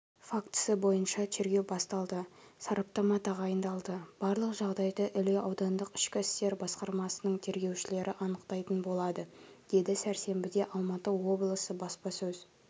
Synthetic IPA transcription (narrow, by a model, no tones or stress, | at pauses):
fakt̪səbo̞jənʃɑt̪ʰe̞ɾɡʲe̞wbɑst̪ɑlˠd̪əsɑɾʔɑp̚t̪ɑmɑt̪ɑʁɑjənd̪ɑlˠd̪əb̥ɑɾlˠəqʒɑʁd̪ɑjd̪əʔʏleʔɑwd̪ɑnd̪əqɪ̥ʃkʲɪɪst̪e̞ɾbɑsqɑɾmɑsənəɴt̪ʰe̞ɾɡʲe̞wʃɪle̞ɾʔɪʔɑnəqt̪ɑjt̪ənbo̞lˠɑd̪ə | d̪̥e̞d̪ɪsæɾse̞mbɪd̪e̞ʔɑlˠmɑt̪əwo̞blˠəsəbɑspɑsɵz